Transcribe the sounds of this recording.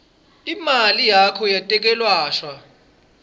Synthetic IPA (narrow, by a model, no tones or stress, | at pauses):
imalijakʰɔjatʼɛk̬ɛlwaːʃwa